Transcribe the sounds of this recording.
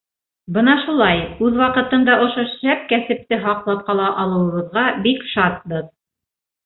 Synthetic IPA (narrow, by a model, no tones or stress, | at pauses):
bɤnɑʃulˠɑjʉðwɑqɤ̆t̪ɤ̆nd̪ɑʔŏʃoʃæp̚kæsɘ̆p̚t̪ɘɦɑqlˠɑp̚qɑlˠɑʔɑlˠɤ̆wɤ̆βɤ̆ðʁɑbikʃɑt̪̚bɤð